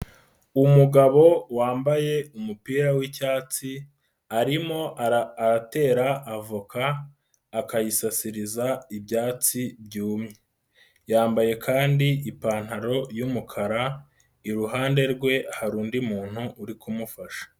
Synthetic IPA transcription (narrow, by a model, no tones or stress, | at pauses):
umuɡaβo̞waːmbaje̞umupiːɾawicaːt͡si | aɾimo̞ʔaːɾate̞ːɾaʔːvukaː | kajisasiɾizaibjaːt͡sib̚juːmɲe | jaːmbaje̞kʰaːndiipaːn̥haɾo̞jumukʰaɾa | iɾuɦaːnde̞ɾɡwe̞haɾuːndimuːn̥huʔːɾikumufaʃḁ